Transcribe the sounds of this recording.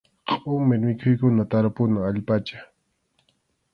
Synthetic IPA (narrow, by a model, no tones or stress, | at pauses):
qʼʊmɪɾmɪkʰʊjkʊnat̪aɾapʊnaaʎpat͡ʃḁ